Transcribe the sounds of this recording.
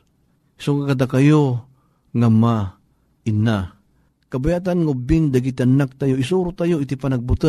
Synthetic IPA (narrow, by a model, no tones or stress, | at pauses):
soŋakad̪akajo | ŋama | ina | kabajat̪̬anŋaʊbɪŋd̪aɡit̪anak̚t̪ajoisuɾʊt̪ajoit̪ipanaɡ̚bʊt̪ə